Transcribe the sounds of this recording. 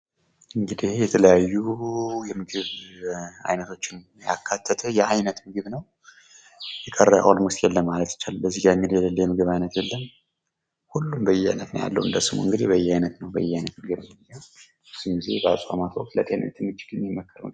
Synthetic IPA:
ʔɨŋɡɨd̪ihjɛt̪ʰələjajːujɛmɨɡɨβ | a̰jnət̪ʰo̞t͡ʃːɪn | ja̰kʰːat̪ʰːət̪ʰəjɛʔajnət̪mɨɡɨβnəw | jɛkʼərːəjʔa̰wlmʊst̪jɛlːəmmːalət̪jɪ̥t͡ʃːalbəzːihɡamːiljɛləlːjɛmɨɡɨβajnət̪jɛlːən | hulːumbəjɛa̰jnət̪nə̰ja̰lːə̰wɨnd̪əsɨmo̰ɨŋɡɨd̪ihbəjːɛajnət̪nəwbə̰jːɛhajnət̪mɨɡɨβɨja | sɨmɡizḛbəa̰sʼamat̪ʰokt̪lət̪ʼenə̰t̪ʰɨmɨt͡ʃʼːɪ̥ɡɨnjɛmːəkʰːəɾ̰n

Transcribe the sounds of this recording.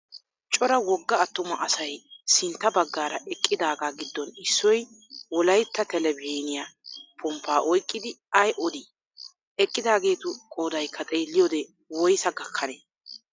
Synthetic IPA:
t͡ʃʼɔɾɐwɔɡːɐːt̪ːʊmɐʔɐsɐjsɪnt̪ːɐbɐɡːaːɾɐʔɛkʼːɪd̪aːɡaːɡɪd̪ːɔnɪsːɔj | wɔlɐjt̪ːɐt̪ɛlɛbeːnɪjapʰʊmpːaːʔɔjkʼːɪd̪ɪɐjʔɔd̪i | ɛkʼːɪd̪aːɡe̞ːt̪ʊkʼoːd̪ɐjkʰːɐt̪ʼeːlːɪjoːd̪ɛ | wɔjsɐɡɐkʰːɐneː

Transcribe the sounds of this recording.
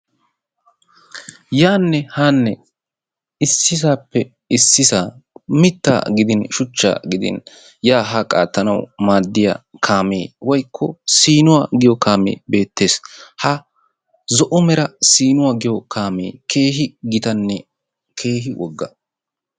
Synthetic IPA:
jaːnːɛhaːnːɛ | ɪsːɪsaːpːɛ | ɪsːɪsaːmɪt̪ːa̰ːɡɪd̪ɪnʃʊt͡ʃːa̰ːɡɪd̪ɪ̰n | jaːɦakʼa̰ːt̪ːɐnɐwmaːd̪ːɪja̰ːkʰaːmeːwɔjkʰːɔ̰siːnʊwaːɡɪjɔkaːmḛːbe̞ːt̪ːe̞ːshɐ | zɔʔʊmɛɾɐsiːnʊwaɡɪjɔkʰaːmeːkʰe̞ːɦɪɡɪt̪ɐnːɛ | kʰe̞ːɦɪwʔɔɡːɐ

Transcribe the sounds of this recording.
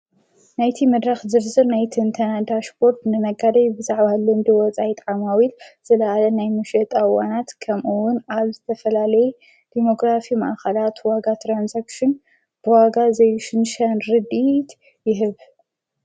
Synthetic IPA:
najt̪ʰimɨd̪ɾaxzɨɾzɨɾnajt̪ʰɨnt̪ʰɐnad̪aʃpʰoɾt̪nɨmɐɡad̪ɐjbɨzaʕβalɨnd̪ɨwɔt͡sʼajit̪ʼʕamawilz̥ɨlɐʔalɐnajmɨʃɛt̪ʼawanat̪kʰɐmʔuwʊnaβzɨt̪ʰɐfɐlalɐjɛ | d̪̥imo̞ɡɾafimɐ̰ʔaxɐlat̪waɡat̪ʰɾanzakʃɨn | b̥ɨwaɡazɐjuʃɨnʃɐnɾɨd̪it̪ | jɪɦɨβ

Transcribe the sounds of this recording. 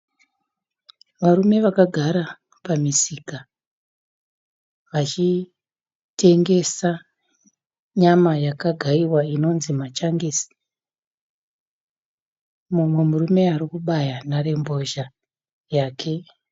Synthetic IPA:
ʋaɾume̞ʋakaɡʱaɾa | pamisika | ʋat͡ʃi | te̞ŋɡe̞sa | ɲamajakaɡʱaiwaino̞nzimat͡ʃaŋɡisi̥ | mumwe̞murume̞aɾikuɓajanaɾe̞mbo̞ʒa | jaːkʰe̞

